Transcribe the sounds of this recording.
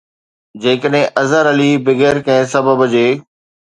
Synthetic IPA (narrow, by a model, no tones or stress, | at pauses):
d͡ʑeːkəɗɦɪ̃ʔɐzəɾɐlibɪɡɛːɾkɛ̃ɪ̃sɐbəbd͡ʑeː